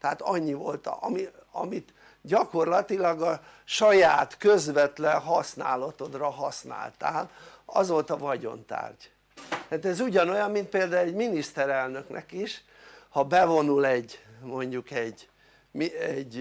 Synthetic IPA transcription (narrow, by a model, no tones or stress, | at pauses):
t̪ɛat̪ɒɲːivo̞lt̪ɒ̰miɒ̰mit̪ | ɟɒko̞rlɒt̪ilɒɡɒ | ʃɒjaːt̪køzʋɛt̪lɛnɦɒsna̰ːlɒt̪o̞d̪rɒɦɒsna̰ːlt̪a̰ːlɒzo̞lt̪ɒvɒɟo̞̰nt̪a̰ːrɟ | t̪aːt̪ɛzuɟɒno̞jɒmmint̪peːld̪aːulɛɟminist̪ɛɾɛlnø̞knʔɛ̰kiʃ | hɒbɛvo̞nulɛɟmo̞ɲɟukɛɟ | miɛɟ